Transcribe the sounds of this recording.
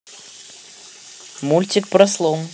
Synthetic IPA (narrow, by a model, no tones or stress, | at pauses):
mulʲtʲɪk̚pɾɐslˠɔm